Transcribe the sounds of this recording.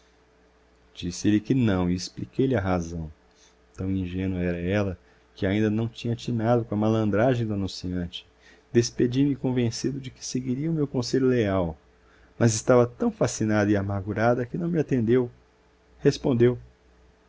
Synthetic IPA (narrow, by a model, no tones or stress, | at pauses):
d͡ʒisɪlɪkɪnɐ̃w̃iesplikejlɪɐɦazɐ̃w̃ | t̪ɐ̃w̃ĩʒẽnwɐɛɾɐɛlɐ | kɪaĩnd̪ɐnɐ̃w̃t͡ʃĩɲɐt͡ʃinad̪ʊkõɐmalɐ̃nd̪ɾaʒẽj̃d̪ʊanũsiɐ̃t͡ʃɪ̥ | d̪esped͡ʒimɪkõvẽsid̪ʊd͡ʒɪkɪ̥seɡiɾiɐʊmewkõseʎʊleaw | mɐzɪst̪avɐt̪ɐ̃w̃fasinad̪ɐiamaɾɡuɾad̪ɐkɪnɐ̃w̃mɪat̪ẽnd̪ew | hespõnd̪ew